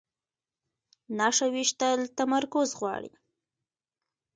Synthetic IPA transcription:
naʂawiʃt̪əlt̪amaɾkʊzɣwɑ̰ɽḭ

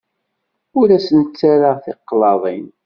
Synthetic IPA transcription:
ʊɾæsənt͡sːaɾaʁθeqːlɑðˤin

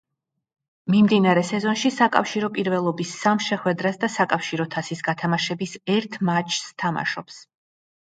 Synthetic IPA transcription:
mimd̪inaɾɛsɛzɔnʃisakʼa̰fʃiɾɔpʼiɾvɛlˠɔbisːamʃɛχwɛd̪ɾasd̪asakʼafʃiɾɔt̪ʰasisɡat̪ʰamaʃɛbisɛɾt̪ʰmat͡ʃʰst̪ʰama̰ʃɔps

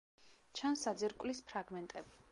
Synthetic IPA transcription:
t͡ʃʰansad̪zɛɾkʼvlispʰɾaɡmɛnt̪ʼɛbi

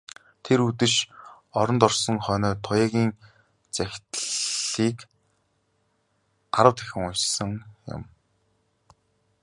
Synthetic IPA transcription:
t̪ʰeɾut̪ɘ̆ʃ | ɔɾɞ̆nt̪ɔrsɞ̆ŋχœːnœːt̪ʰʊjaːɣʲiːn | t͡sæxʲt̪ːiːk | ɢaɾə̆wt̪ʰæ̥xʲɪ̆ŋʊjt͡ɕsə̆ŋjʊ̰m

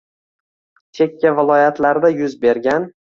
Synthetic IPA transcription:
t̪ʰe̞kʲʰːavɪlˠɒjat̪laɾd̪ajʊzbe̞ɾɡʲan

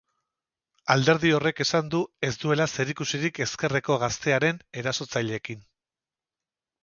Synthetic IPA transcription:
ald̪e̞ɾðio̞re̞ke̞sand̪ue̞zd̪ue̞lase̞ɾikusiɾike̞ske̞reko̞ɣ̞ast̪e̞aɾe̞ne̞ɾaso̞t͡saʎe̞ːkin

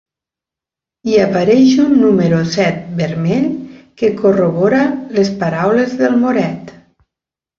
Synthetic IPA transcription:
iapaɾɛʃunːuməɾusɛt̪̚bəɾmeʎkekoroβɔɾalespaɾawlezðəlˠmoɾɛt̪

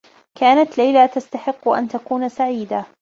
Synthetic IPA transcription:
kʰaːnat̪lajlat̪ast̪aħɪqːʔa̰nt̪akuːnsaʕiːd̪a

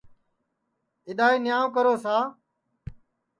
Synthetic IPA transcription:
ɪɗ̪aːiːnɪjaːʋk̬əɾoːsaː

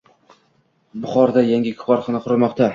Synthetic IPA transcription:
bʊχɒɾd̪ajaŋɡʲɪkʲʰʊ̥pɒɾχɒnɪqʰʊɾɪmɒqt̪a

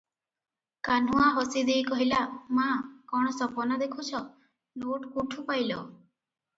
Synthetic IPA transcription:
kan̤uaɦɔsid̪ejkɔɦilamãkɔɽ̃ɔsɔpɔnad̪ekʰut͡ʃʰɔ | noʈkuʈʰupajlɔ

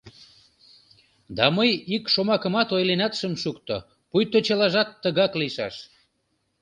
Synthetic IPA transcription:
d̪ɑməjikʃomɑkə̆mɑt̪ojlenɑt̪ʃəmʃukt̪o̰ | pujt̪ot͡ɕəlɑʒɑt̪ːəɣɑkliʃɑʃ

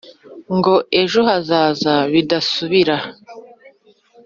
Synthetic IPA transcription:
ŋɡo̞e̞ʒoɦazaːzaβidasuβiɾa

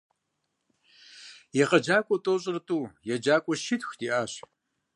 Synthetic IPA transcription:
jɛqɐd͡ʒaːkʷʼɔtʼoːɕʼɪrtʼuːjɛd͡ʒaːkʷʼɔʃɪtxdiːʔaːɕ

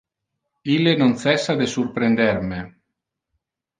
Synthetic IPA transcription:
ilːenonsɛsːad̪esurpɾend̪ɛrme

